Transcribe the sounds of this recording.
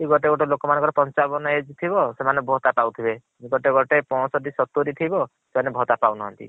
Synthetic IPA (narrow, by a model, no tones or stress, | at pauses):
iɡɔʈeɡoʈelokɔmanɔŋkɔɾɔpɔnt͡ʃabɔnɔed͡ʒt̪ʰibɔsemanebʱɔt̪apawt̪ʰibe | iɡɔʈeɡɔʈepɔɽ̃ɔsɔʈisɔt̪uɾit̪ʰibɔ | semanebʱɔt̪apawnɔɦɔ̰nt̪ḭ